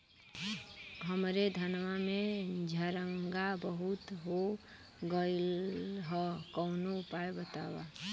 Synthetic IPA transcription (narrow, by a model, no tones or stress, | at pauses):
ɦəmɾed̪ʱənʋamẽd͡ʒʱəɾəŋɡabəɦut̪ɦo | ɡəɪlɦɔkɔːnupaebət̪a̰wa̰